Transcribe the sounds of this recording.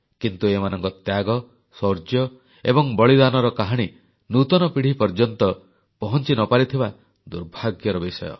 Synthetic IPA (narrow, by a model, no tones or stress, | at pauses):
kint̪uemanɔŋkɔt̪jaɡɔ | sɔɾd͡ʒjɔ | ḛbɔŋbɔɭid̪anɔɾɔkaɦaɽ̃i | nut̪ɔnɔpiɽ̤ipɔɾd͡ʒɔnt̪ɔ | pɔɦɔnt͡ʃinɔpaɾit̪ʰiba | d̪uɾbʱaɡjɔɾɔbisɔjɔ̰